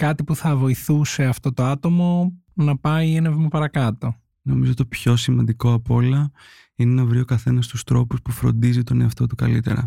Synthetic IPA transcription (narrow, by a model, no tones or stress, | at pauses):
kɐt̪ipuθɐvo̞iθuse̞ɐft̪o̞t̪o̞ɐt̪o̞mo̞ | nɐpɐienevmɐpɐɾɐkɐt̪o̞ | no̞mizot̪opço̞simɐnd̪iko̞ɐpo̞lɐ | ineenɐvɾio̞kɐθe̞nɐst̪ust̪ɾo̞puspufɾo̞̰nd̪izit̪o̞ne̞ɐft̪o̞t̪ukɐlit̪e̞̰ɾɐ̰